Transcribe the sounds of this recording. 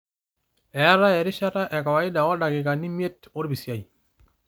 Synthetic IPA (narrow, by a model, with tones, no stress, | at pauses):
ɛ˨a˦ɾa˦ɛ˨ɾɪ˦ʃa˦ta˦ʔɛ˨ka˨wa˨ɪ˦da˨ɔ˦da˨ɡɪ˨ka˨ni˦mje˦to˦ɾbi˨sja˨i˨